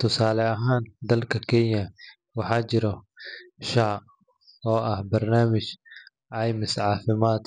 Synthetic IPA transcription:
t̪ʰʊsaːlɛɐɦaːnd̪ɐlkʰɐkʰɛnjɐ | wɑħɑːt͡ʃɪɾɔ | ʃɑʕ | ɔːʔɐhbɐrnaːmɪt͡ʃ | ʕɑjmɪsʕɑːfɪmaːd̪

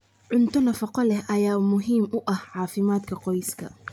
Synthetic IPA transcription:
ʕʊnt̪ʰɔnɐfɐqɔlɛhʔɐjaːmʊɦiːmʊʔɐhʕɑːfɪmaːd̪kʰɐqɔjskʰɐ̰

